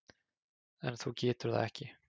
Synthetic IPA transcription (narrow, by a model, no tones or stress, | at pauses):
ɛnθuwcɛːt̪ʏɾ̥θa̰ðɛhcɪ